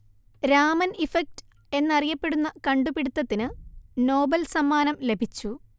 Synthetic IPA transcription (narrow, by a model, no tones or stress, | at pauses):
ɾaːmɐnifɐk̚t | e̞nːɐrijɐpːe̞ɽunːɐkɐɳɖupiɽut̪ːɐt̪ːinɨno̞ːbɐlsɐmːaːnɐmle̞bʱit͡ɕːu